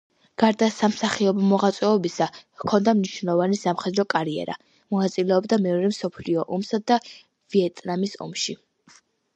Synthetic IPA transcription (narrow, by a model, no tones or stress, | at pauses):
ɡ̥aɾd̪asamsaχiɔbɔmɔʁat̪sʼwɛɔbisakʰɔnd̪amniʃnɛɔvanisamχɛd̪ɾɔkʼaɾiɛ̰ɾa̰ | mɔnat̪sʼilɛɔbd̪amɛɔɾɛmsɔpʰliɔʔɔmsad̪a | viɛt̪ʼnamisɔ̰mʃi